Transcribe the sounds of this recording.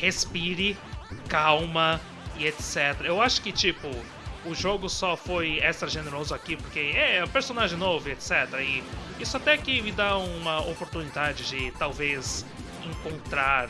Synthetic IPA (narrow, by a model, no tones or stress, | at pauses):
hespiɾɪ | kawmɐ | ɪet̪sɛt̪eɾɐewaʃʊ̥kɪt͡ʃipʊ | ʊʒoɡʊsɔfojɛst̪ɾɐʒeneɾozʊakipoɾkeɛɛ̃peɾsonaʒẽj̃novʊet̪sɛt̪eɾɐɪ | isʊat̪ɛkɪmɪd̪aũmɐopoɾt̪unid̪ad͡ʒɪd͡ʒɪt̪awvez | ẽŋkõnt̪ɾaɾ